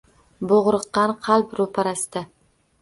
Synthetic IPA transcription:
boʁɾɨqːɑnqʰɑlˠpɾopʰaɾasd̪a

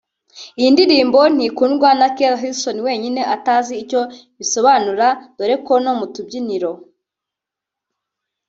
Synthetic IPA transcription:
ijindiɾiːmbo̞n̥ikunɡwanakelɦilsoniwe̞ːɲine̞ʔataːziːco̞ | βiso̞βanuɾad̥oɾe̞kono̞mutubɟiniɾo̞

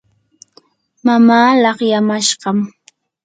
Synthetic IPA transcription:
mamaːlɑχjamaʃɢɑm

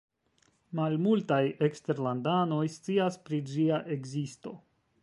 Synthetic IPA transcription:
malmultajekste̞ɾlandano̞jst͡siaspɾid͡ʒiaʔe̞ɡzisto̞

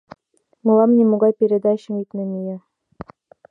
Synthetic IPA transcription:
mɤ̆lˠɑmnʲemoɡɑjpʲeɾʲed̪ɑɕɘ̆mik̪nɘ̆mʲijɘ̆

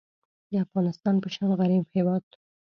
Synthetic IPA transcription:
d̪əafɣɑnɪst̪ɑnpəʃaɣaɾibhewɑd̪̚

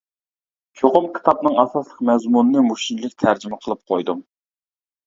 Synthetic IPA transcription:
t͡ʃʰoqʊmkʲʰi̥t̪ʰɑpnɨŋɑsɑslˠəqmɛzmunɨnɨmuʃinlˠɪkʲt̪ʰæɾd͡ʒimɛqʰəlˠɨp̚qʰojd̪um

